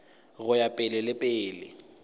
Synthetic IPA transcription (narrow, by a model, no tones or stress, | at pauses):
ɣʊjapʼɪlɪlɪpʼɪːlɪ